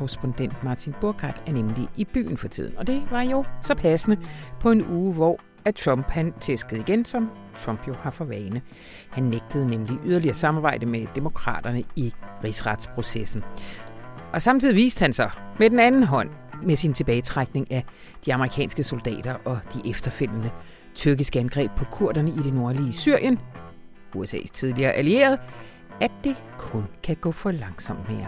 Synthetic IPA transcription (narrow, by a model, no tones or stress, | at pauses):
kʰoʁɛsb̥ond̥en̰d̥mɑ̈t͡sʰinb̥oɐɡ̥ʰɑ̰d̥æɐnemliʔib̥y̰ːn̩fɒ̽t͡sʰḭð̰ˠn̩ɒ̽d̥e̝ʋɑ̈jo̝sɒ̽pʰæsənəpʰɒ̽e̝nuːʋɒ̰ | æt͡sʰʁɒ̽mb̥hænt͡sʰesɡ̥əð̞̩ˠiɡ̥ensɒ̽m | t͡sʰʁɒ̽m̰b̥jo̝hɑ̈fɒ̽ʋɛːɪnə | hænːeɡ̥̚d̥əð̞̩ˠnemliʔyð̞ˠɐliɐsɑ̈mɑ̈b̥ɑ̈ɪ̰d̥əmed̥e̝mo̝kʰʁɑ̰̈ːd̥ɐnəiʁisʁɑ̈d̥spʰʁo̝sesn̩ | ʔɒ̽sɑ̈mt͡sʰiðˠiʋḭːsd̥əhænsɒ̽med̥enænn̩ɦɒ̽n̰ | mesint͡sʰe̝b̥ɛːɪt͡sʰʁaɡ̥ne̝ŋæ | d̥iɑ̈məʁikʰɛ̰ːnsɡ̥əso̝ld̥ɛ̰ːd̥ɐʔɒ̽d̥iʔefd̥ɐfel̰ənə | t͡sʰyɐɡ̥isɡ̥əænɡ̥ʁɛ̰ːb̥̚pʰɒ̽kʰuɐ̰ɾ̥ɐnəid̥e̝no̝ɐliːsyɐ̰jən | uesɛ̰ːst͡sʰið̞ˠliɐːʔælie̝̰ːɐð̞ˠ | æ̥e̝kʰɔ̽nkʰæɡ̥ɔ̰̽ːfɒ̽lɑ̈ŋsɒ̽m̰d̥me̝ːɐ